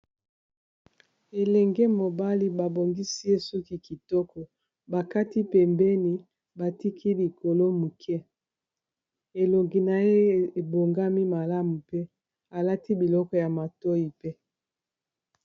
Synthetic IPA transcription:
e˨lɛ˨ŋɡɛ˦mo˨ba˦li˦ba˨bo˨ŋɡi˦si˦e˦su˦ki˦ki˨tɔ˦kɔ˨ | ba˨ka˦ti˦pɛ˨mbɛ˦ni˦ | ba˨ti˦kʰi˦li˨ko˨lo˦mu˨kʰɛ˦ | e˨lo˨ŋɡi˨na˨je˦˨e˨bo˨ŋɡa˦mi˦ma˨la˦mu˨pe˦ | a˨la˦ti˦bi˨lɔ˦kɔ˦ja˨ma˨to˦i˨pe˦

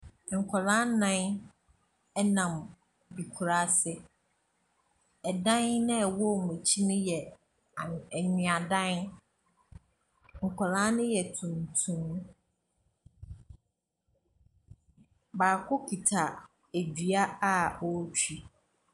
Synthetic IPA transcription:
ŋ̩˨kʷʰɔ˨lã˦nã˦n | ɛ˦nã˨m | bi˨kʰu˨ɾa˦sɪ˦ | ɛ˨dã˦nnɪ̃˦ɛ˨wɔ˦˨m˨ɛ̃˨t͡ɕʰi˦nʊ̃˦jɛ˨ | ɲᶣĩ˨a˨dã˦n | ŋ̩˨kʷʰɔ˨lã˦nʊ̃˦jɛ˨tʰũ˨n˨tʰũ˦m˦ | baː˨kʰʊ˦kʰi˨tʰa˨ | æ˨dɥa˦a˦ɔ˦t͡ɕʰᶣi˦

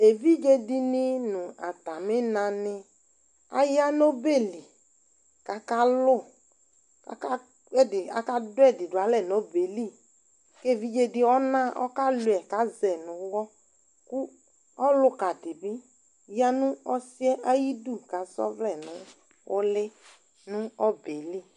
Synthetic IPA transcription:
e˨vi˦d͡ʒe˦di˨nɪ˦nʊ̃˨a˨t̪a˨mɪ˦nã˨nɪ˦ | a̰˦ja˦no˦be˦˨li˨ | ka˨ka˦lʊ˦˨ | ka̰˨ka˦ | ɛ˦dɪ˨a̰˨ka˦dʊ˦ɛ˦˨dɪ˨dʊ˨a˨˦lɛ˦˨no˦be˨li˦˨ | ke˦˨vi˦d͡ʒe˦dɪ˦ɔ˦nã˦ʔɔ̰˦ka˦lu˨ɛ˨ka˨˦zɛ˨nʊ̃˨wɔ˦ | kʊ˦ | ɔ˦lʊ˦ka˨dɪ˨bɪ˦ | ja˦nʊ̃˦ɔ˦sɪ˦ɛ˦ʔa˦ji˦du˦˨ka˨˦sɔ̰˦vlɛ˨nʊ̃˦ | ʊ˦lɪ˦ | nʊ̃˦ɔ˦be˨li˦

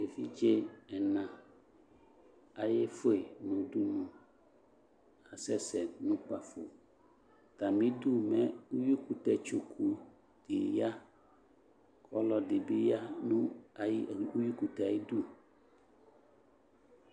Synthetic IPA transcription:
e˨fi˦d͡ʒe˦ɛ˨nã˨ | a˨je˦fo˦e˨nũ˨du˦nũ˨ | a˨sɛ˦sɛ˨nũ˦k͡pa˨fo̰˨ | t̪a˨mĩ˦du˦mɛ˦u˦ju˦ku˨t̪ɛ˨t͡ʃo˨kʰu˨ | d̥ɪ˨ja˦ | kʰɔ˦lɔ˨dɪ˨bi˦ja˦nũ˦˨˦ | u˦ju˦ku˨t̪ɛ˨a˨je˦du˦

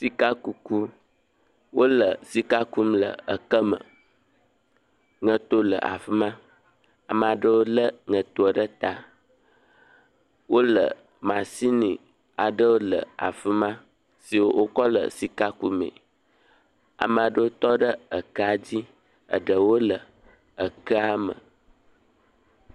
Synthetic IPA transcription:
si˨ka˦ku˨ku˦ | wo˦lə˨si˨ka˦ku˦mlə̰˨ə˨kə˦mə̰̃˨ | ŋə̃˨t̪o˦lə̰˨ʔa̰˨fi˦mã˦ | a˨mə˨a˨ɖə˦wo˦lə˦ŋə̃˨t̪o˦ə˨ɖə˦t̪a˨ | wo˦lə̰˨ | mã˨si˦nĩ˨ | a˨ɖə˦wo˦lə̰˨a̰˨fə˦mã˦ | si˨wo˦wo˦kɔ˦lə̰˨si˨ka˦ku˨mḛ̃˨ | a̰˨mə˨a˨ɖə˦wo˦t̪ɔ˦ɖə˦ə˨kə˦a˨d͡ʑi˦ | ə̰˨ɖə˨wo˦lə˨ | ə˨kə˦a˦mə̰̃˨

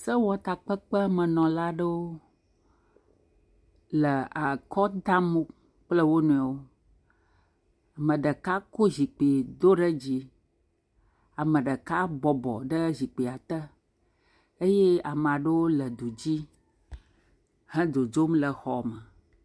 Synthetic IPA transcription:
sə˦wɔ˨t̪a˨k͡pə˦k͡pə˦mə˨nɔ̃˨la˦ɖə˦wo˦ | lə˨a˨kɔ˦d̪a˦mo˦ | k͡plə˦wo˦nũ˨ɛ˨wo˦ | a˨mə̃˨ɖə˨ka˦ko˦zi˨k͡pi˨d̪o˦ɖə˦d͡ʑi˦ | a˨mə̃˨ɖə˨ka˦bɔ˨bɔ̰˨ɖə˦zi˨k͡pi˨a˨t̪ə˦ | e˦je˦a˨m˨a˨ɖə˦wo˦lə˨d̪o˨d͡ʑi˦ | hɛ̃˦d̪o˨d͡ʒo˦mlə˨xɔ˨mə˨

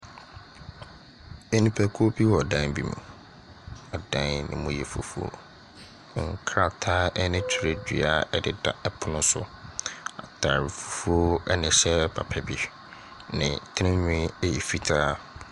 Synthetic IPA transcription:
e˦nĩ˦pʰɛ˨kʰo˦bi˦wɔ˨dã˦nbi˦mṵ̃˨ | ɔ˨dã˦nnɪ̰̃˨mũ˦jɛ˨fo̰˨fu˦o̰˨ | ŋ̩˨kʰɾa˦˨tʰaː˦ɛ˦nɪ̃˦t͡ɕᶣʰi˨ɾe˦dᶣḭ˨a˦ɛ˦dɪ˦da̰˨ɛ˦pʰʊ˨nʊ̃˦sʊ˦ | a̰˨tʰa˨ɾɪ˨fo̥˨fu˦o˦ɛ˦nɪ̃˨ɕɛ˦pʰa̰˨pʰɛ˨bi˨ | nɪ̰̃˨tʰɪ˦nɪ̃˦ɲᶣʊ̃˦e˦ji˨fi˦tʰaː˦

